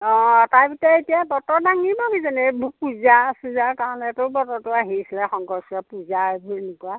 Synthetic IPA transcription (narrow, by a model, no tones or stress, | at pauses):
ɔ̃taɹpitɛetijabɔtɔdaŋibɔbizanɛbʱupuzasuzakaɹɔnɛtʊbɔtɔtʊaɦisilɛxɔŋɡɔɹsɔpuzabnʊkuwa